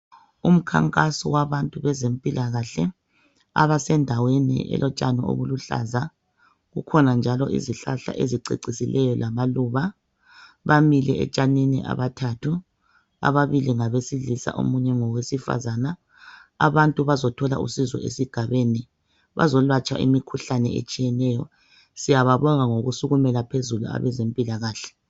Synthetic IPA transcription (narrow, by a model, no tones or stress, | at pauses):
um̩kʰa̰ŋkʼasɔwaβantʼuβɛzempʼilʔaɣaɬɛ | a̰βasɛndʱawenḭʔɛ̰lʔɔt͡ʃʼanɔo̰βuluɬa̰za | ɣukʰɔnand͡ʒʱalɔʔḭziɬaɬa̰ʔeziǀḭǀisilʔɛjɔlamaluːβa | βamilɛɛ̰t͡ʃʼaninḭʔa̰βatʰatʰu | a̰βaβiliŋaβesiɮisa̰ʔo̰muɲɛŋɔwesifa̰zana | a̰βantʼuβazɔtʰɔla̰ʔṵsizɔ̰ḛsiɡ̥ʱaβeni | βa̰zɔlwat͡ʃʼaʔḭmikʰuɬanɛ̰ḛt͡ʃʼijɛnɛːjɔ̰ | sijaβaβɔŋaŋoɣusuɣumɛlapʰezulua̰βɛzempʼilaɣaːɬɛ̥